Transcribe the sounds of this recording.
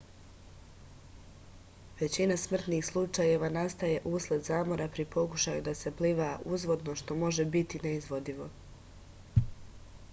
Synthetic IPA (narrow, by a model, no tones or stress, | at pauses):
ʋe̞t͡ɕinasmr̩t̪niːxslˠut͡ʃaje̞ʋanast̪aje̞ʔuslˠed̪zaːmo̞ɾapɾipʰo̞kuʃajud̪ase̞pliːʋaʔuzʋo̞d̪no̞ʃt̪o̞mo̞ʒe̞bit̪ineizʋo̞d̪iʋo̞